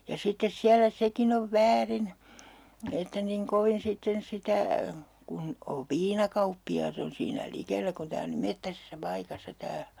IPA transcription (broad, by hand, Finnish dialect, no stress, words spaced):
jɑ sitːes siælæ sekin oʋ ʋæːrin etːæ niŋ koʋin sitːen sitæ kun oʋ ʋiːnɑkɑupːiɑːt on siːnæ likelːæ kun tæː on niːm metːæsesːæ pɑikɑsːɑ tæː